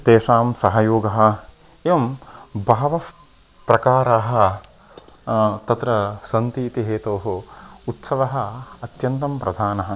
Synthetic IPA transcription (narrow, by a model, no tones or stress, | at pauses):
t̪eːʃaːmsɐɦɐjoːɡɐɦɐ̆ | eʋɐmbʱaːʋɐ | pɾɐkaːɾaːɦɐ̆ | t̪ɐt̪ɾɐsɐnt̪iːt̪iɦeːt̪oːɦuut̪sɐʋɐɦɐɐt̪jɐnt̪ɐmpɾɐd̪ʱaːnɐɦɐ̆